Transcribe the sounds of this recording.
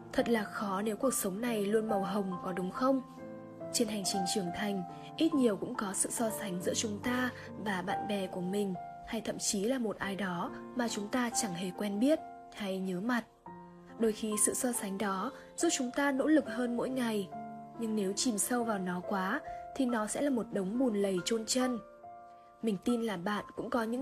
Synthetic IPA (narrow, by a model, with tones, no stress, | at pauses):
t̪ʰə˨˩t̚laː˨˩xɔ˨˦ne˨˦wku˨˩ək̚sə˨˦wŋ͡mna˨˩jlu˧ənmə˨˩wɦə˨˩wŋ͡mkɔ˨˦ɗʊ˨˦ŋ͡mxə˧wŋ͡m | t͡ɕe˧nɦa˨˩jŋ̟t͡ɕï˨˦ŋ̟t͡ɕɨ˧˩əŋt̪ʰa˨˧˩jŋ̟ | ʔi˦˥t̚ɲi˨˩əwkʊ̰˧˥ŋ͡mkɔ˨˦sɨ̰˧˨sɔ˧sa˨˦jŋ̟zɨ̰˧˥ət͡ɕʊ˨˦ŋ͡mt̪aː˧ | vaː˨˩ɓa̰ː˧˨nɓɛ˨˩ku˧˩əmï˨˩ŋ̟ | ha˧jt̪ʰə̰˧˨mt͡ɕi˨˦laː˨˩mo˨˩t̚ʔaː˧jɗɔ˨˦maː˨˩t͡ɕʊ˨˦ŋ͡mt̪aː˧t͡ɕa˧˩ŋɦe˧˩kwɛ˧nɓi˦˥ət̚ | ha˧jɲəː˨˦ma˨˩t̚ | ɗo˧˩jxi˧sɨ̰˧˨sɔ˧sa˨˦ŋ̟ɗɔ˨˦ | zu˦˥p̚t͡ɕʊ˨˦ŋ͡mt̪aː˧no̰˧˥lɨ˨˩k̚həː˧nmo̰˧˥jŋa˨˩jɲɨ˧ŋne˨˦wt͡ɕi˨˩msə˧wvaː˨˩wnɔ˨˦kwaː˨˦t̪ʰi˨˩nɔ˨˦sɛ̰˧˥laː˨˩mo˨˩t̚ɗə˨˦wŋ͡mɓu˨˩nlə˨˩jt͡ɕo˧nt͡ɕə˧n | mï˨˩ŋ̟t̪i˧nlaː˨˩ɓa̰ː˧˨nkʊ̰˧˥ŋ͡mkɔ˨˦ɲɨ̰˧˥